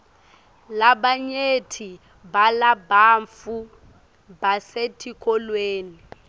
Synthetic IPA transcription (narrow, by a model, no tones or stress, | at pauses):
laɓaɲetʰi | balabaːɱfu | basetʰikʰʼɔlweːnii